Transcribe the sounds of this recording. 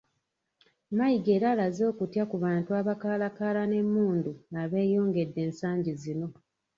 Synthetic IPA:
majiɡe̞ːɾalazo̞ːkutjakuβaːntuaβakaːlakaːlane̞mːuːnduaβe̞ːjo̞ːŋɡe̞dːe̞ːnsaːɲɟizino̞

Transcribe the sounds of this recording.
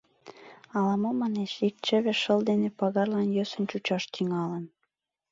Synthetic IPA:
ɑlɑmomɑnet͡ɕik̚t͡ɕə̆βĕʃəld̪enepɑɣɑrlɑnjøsə̆nt͡ɕut͡ɕɑʃt̪yŋɑlən

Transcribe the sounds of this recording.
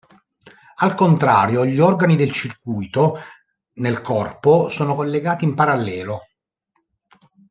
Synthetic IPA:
alkont̪ɾaːɾjoʎiɔrɡanid̪elt͡ʃirkujt̪o | nelkɔrposoːnokolːeɡaːt̪iimpaɾalːɛːlo

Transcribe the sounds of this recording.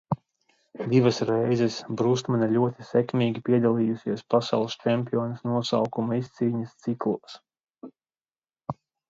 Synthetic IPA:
d̪ivɐsɾɛjzɛsbɾust̪manalʲuɔt̪i̥sɛkmʲiːɡʲipiɛd̪alˠiːjusʲiɛspasa̰wlˠst͡ʃɛmpʲiɔːnɐsnuɔsa̰wkumaist̪siːɲɐst̪siklˠuɔs

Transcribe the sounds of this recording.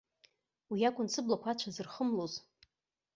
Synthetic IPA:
wiakʷʼʊnsʰɨblakʷʰat͡ʃʷʰazɨrχəmloz

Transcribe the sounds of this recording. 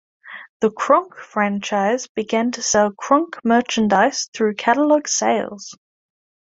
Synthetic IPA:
ðəkʰɹ̥ʌ̃ŋkfɹæ̃nt͡ʃaɪzbɪɡæ̃ntʰəsɛlˠkʰɹ̥ʌ̃ŋkmɜˑt͡ʃə̃ndaɪsθɹʉːkʰaɾəlɒɡ̥seɪlˠz̥

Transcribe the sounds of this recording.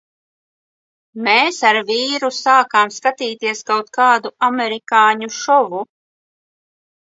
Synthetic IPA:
meːsaɾviːɾusaːkaːmskat̪iːt̪iɛskawt̪kaːd̪uamɛɾikaːɲuʃɔvu

